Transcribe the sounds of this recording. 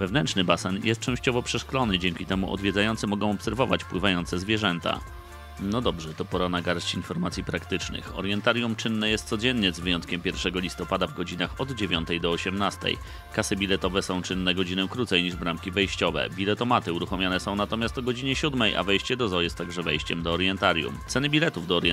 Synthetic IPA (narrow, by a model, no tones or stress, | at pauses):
vɛvnɛnt͡ʂʂnɘbasɛnjʔɛst̪̚t͡ʂɛ̃w̃ɕt͡ɕɔvɔpʂɛʂklɔnɘd͡ʑɛŋkʲit̪ɛmṵʔɔ̰d̪vʲjɛdzajɔnt̪sɛmɔɡɔ̃w̃ɔpsɛɾvɔvat͡ɕpwɘvajɔnt̪sɛzvʲjɛʐɛnt̪a̰ | nɔd̪ɔbʐɛt̪ɔpɔɾanaɡaɾt͡ɕinfɔɾmat̪sʲjipɾakt̪ɘt͡ʂnɘ̰xɔ̰ɾjɛnt̪aɾʲjumt͡ʂɘnːɛjɛst̪sɔd͡ʑɛnːɲɛzvɘjɔnt̪̚kʲɛmpʲjɛɾfʂɛɡɔlʲist̪ɔpad̪avɡɔd͡ʑinaxɔd̪d͡ʑevʲjɔnt̪ɛjd̪ɔːɕɛmnast̪ɛ̰j | kasɘbʲilɛt̪ɔvɛsɔ̃w̃t͡ʂɘnːɛɡɔd͡ʑinɛkɾut̪sɛjɲiʐbɾamkʲivɛjɕt͡ɕɔvɛ̰bʲilɛt̪ɔmat̪ɘuɾuxɔmʲjanɛsɔ̃w̃nat̪ɔmʲjast̪ɔɡɔd͡ʑiɲɛɕud̪mɛjʔa̰vɛjɕt͡ɕɛd̪ɔzɔjɛst̪ːaɡʐɛvɛjɕt͡ɕɛmd̪ɔːɾjɛnt̪aɾjṵmt̪sɛnɘbʲilɛt̪uvd̪ɔːɾjɛ